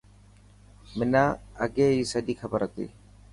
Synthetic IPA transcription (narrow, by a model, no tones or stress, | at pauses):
mɪnaːəɡeːɦiːsəɗiːxəbəɾət̪ḭː